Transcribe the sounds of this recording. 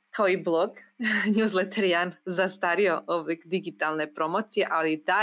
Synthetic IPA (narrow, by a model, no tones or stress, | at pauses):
kʰaoiblˠoɡɲuzlet̪ʰeɾjanzast̪aɾiooblikd̪iɡit̪alˠnepɾomot̪sijeʔalid̪a